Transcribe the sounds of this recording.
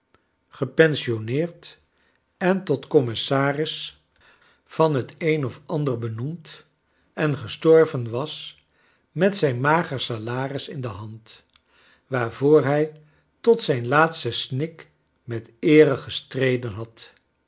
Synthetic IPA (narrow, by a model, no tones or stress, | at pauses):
χəpɛnsionɪːɹt | ɛntɔtkɔmɪsaːrɪs | fɑnɦətejnɔfɑndəɹbənumt | ɛnχəstɔɹvənʋɑs | mɛtsɛjnmaːχəɹsalaːrɪsɪndəɦɑnt | ʋaːɹvʊːɹɦɛj | tɔtsɛjnlaːtstəsnɪk | mɛtɪːrəχəstrejdənɦɑt